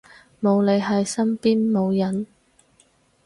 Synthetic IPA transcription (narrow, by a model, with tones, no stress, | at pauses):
mo˨˧wle˨˧jɦɐ˨jsɐ˥mpiː˥nmo˨˧wjɐ˨˥n